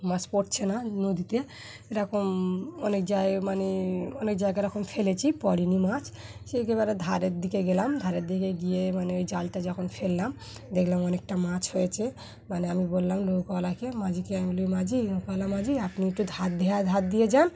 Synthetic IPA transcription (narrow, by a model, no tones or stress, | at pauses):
mat͡ʃpoʈt͡ɕʰenanod̪it̪e | ɾɔkomɔnekd͡ʒaemaneɔnek̚d͡ʒaeɡaɾɔkʰomfʰelet͡ɕʰipɔɾinimat͡ʃʰ | ʃekebaɾed̪ʱaɾeɾd̪ʱikeɡelamd̪ʱaɾeɾd̪ʱikeɡijemaneojd͡ʒalʈad͡ʒɔkʰonfʰelːam | d̪ekʰlamɔnek̚ʈamat͡ɕhojet͡ɕʰe | maneamibolːamlokalakemad͡ʑikeamilomad͡ʒiokalamad͡ʑiapniek̚ʈud̪ʱat̪̚d̪ʱɛad̪ʱat̪̚d̪ijed͡ʒan